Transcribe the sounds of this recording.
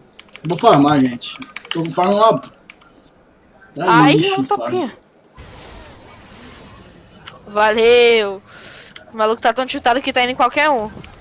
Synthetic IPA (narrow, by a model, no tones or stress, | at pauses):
vofaɦmaʒẽt͡ʃɪ̥t̪õfaɾũab | d̪aãĩipaae | valew̃ | malukʊ̥t̪at̪ɐ̃w̃t͡ʃit̪ad̪ʊkɪt̪aĩd̪ẽkwawkɛɾũ